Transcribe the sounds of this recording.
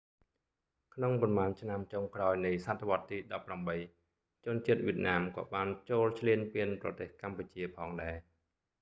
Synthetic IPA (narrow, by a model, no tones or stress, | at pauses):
kʰnoŋpɑnmaːnt͡ɕʰnamt͡ɕoŋkraɔjnɨjsat̪ʰːeʋŏət̪ːiːɗɑpːramɓəj | t͡ɕʊ̆ənt͡ɕiət̪̚ʋiət̪̚naːmkɑ̰ːɓaːnt͡ɕoːlt͡ɕʰliənpiənprɑ̰t̪eːhkamput͡ɕiəpʰɑːŋɗaɛ